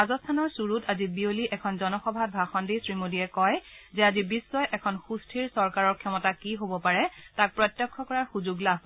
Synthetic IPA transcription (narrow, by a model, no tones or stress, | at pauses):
azɔstʰanɔɹsuɹutʰazibioliʔɛkʰɔnzɔnɔxɔbʱat̚bʱaxɔndisɹimodiɛkɔjzɛazibisːɔjʔɛkʰɔnxustʰiɹsɔɹkaɹɔɹkʰjɔmɔtakiɦobɔpaɹɛtak̚pɹɔtjɔkʰːɔkɔɹaɹxuzuɡlab̚ʱ